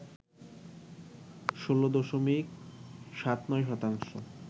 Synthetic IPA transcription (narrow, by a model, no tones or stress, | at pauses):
ʃolod̪ɔʃomikʃat̪nɔejʃɔt̪aŋʃo̰